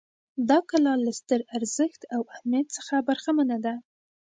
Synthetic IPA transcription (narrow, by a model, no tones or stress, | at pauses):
d̪ɑkalɑlast̪əɾaɾz̥əxt̪awahmjat̪̚sə̥xabaɾxamanad̪a